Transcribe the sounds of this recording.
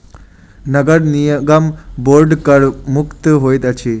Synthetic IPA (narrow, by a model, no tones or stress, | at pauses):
nəɡəɽnijəɡamboɾɖkəɽmukt̪ɦojt̪at͡ɕʰi